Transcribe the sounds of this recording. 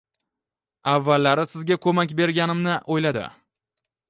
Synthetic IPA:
avːalːaɾɪsɪzɡʲakʰɵmakʲbe̞ɾɡʲanɪmnɪʔojlad̪ɪ̰

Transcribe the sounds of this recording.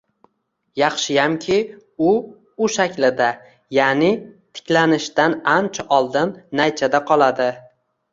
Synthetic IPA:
jɑχʃɪjamkʲʰɪ | ʊ | ʊʃakʲlɪd̪a | janɪt̪ʰɪ̥kʲlanɪʃt̪anant͡ʃʰaʔɒlˠd̪ɪnːajt͡ʃʰad̪aqʰɒlˠad̪ɪ

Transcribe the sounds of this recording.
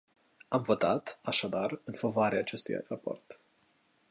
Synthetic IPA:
amvo̞t̪at̪aʃad̪arɨnfavoaɾeaːt͡ʃe̞st̪ṵja̰rapo̞̰rt̪

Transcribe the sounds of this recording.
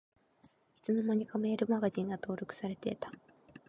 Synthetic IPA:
çi̥t͡sɨno̞maɲ̟ikame̞ːɾɯ̟maɡaʑĩŋɡat̪o̞ːɾʲo̞kɯ̟̥saɾe̞t̪e̞̰t̪ḁ

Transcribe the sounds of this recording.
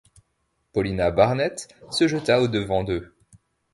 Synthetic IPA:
pɔlinabaʁnɛt̪səʒət̪aod̪əvɑ̃d̪ø

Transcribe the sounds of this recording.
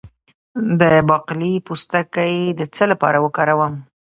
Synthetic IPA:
d̪əbɑqlipust̪akajd̪ət͡səlapɑ̰ɾawəkɑɾawəm

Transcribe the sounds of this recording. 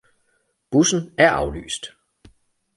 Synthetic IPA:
b̥usn̩æɐʔɑ̈ʊly̰ːsd̥

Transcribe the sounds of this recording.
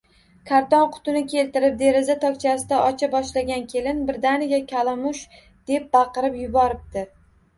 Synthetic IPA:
kʰaɾt̪ɒnqʰʊ̥t̪ʊnɪkʲe̞lt̪ɪɾɪp̚d̪e̞ɾɪzat̪ʰɒkʲt͡ʃʰasɪd̪aʔɒt͡ʃʰabɒʃlaɡʲankʲʰe̞lɪnbɪɾd̪anɪɡʲakʲʰalˠamʊʃ | d̪̥e̞p̚bɑqɨɾɪpjʊbɒɾɪp̚t̪ɪ

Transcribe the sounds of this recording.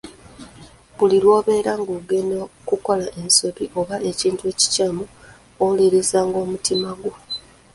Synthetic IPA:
βulilwo̞ːβe̞ːɾaŋɡoɡenokuko̞laʔe̞nsoβiʔo̞βaʔe̞ciːntue̞ːci̥caːmu | oliɾizaːŋɡo̞ːmutimaɡo

